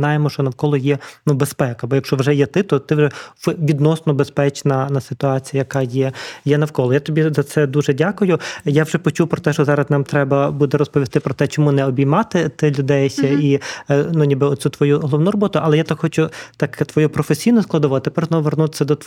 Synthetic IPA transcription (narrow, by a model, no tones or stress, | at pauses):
nɑjemɔʃt͡ʃɔnɐwkɔlˠɔjɛnubespɛkɐbɔjɐkʃt͡ʃɔʋʒɛjɛt̪ɪt̪ɔt̪ɪʋʒɛfʋʲid̪nɔsnɔbespɛt͡ʃnɐnɐsɪt̪ʊɑt͡sʲijɐjɐkɑjɛjɛnɐwkɔlˠɔjat̪ɔbʲizɐt̪sɛd̪uʒɛdʲakʊjʊjawʒɛpɔt͡ʃuwpɾɔt̪ɛʃt͡ʃɔzɑɾɐsnɑmt̪ɾɛbɐbud̪ɛɾɔspɔʋʲist̪ɪpɾɔt̪ɛt͡ʃɔmunɛɔbʲijmɑt̪ɪt̪ɪlʲʊd̪ɛsʲɐinunʲibɪɔt̪sʲɛt̪ʋɔjuɦɔlˠɔʋnurɔbɔt̪ʊɐlˠɛjat̪ɐxɔt͡ʃʊt̪ɑkt̪ʋɔjupɾɔfesʲijnʊsklˠɐd̪ɔʋɔt̪epɛrznɔʋʋernut̪ɪ̥sʲːɐd̪ɔ